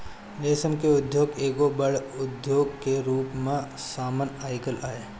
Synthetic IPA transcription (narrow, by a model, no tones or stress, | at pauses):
ʋeːsəmkeʊd̪ʱjoːɡeːɡobəɽʊd̪ʱjoːɡkeɾuːpmẽsaːmənaːɪkəlaːeː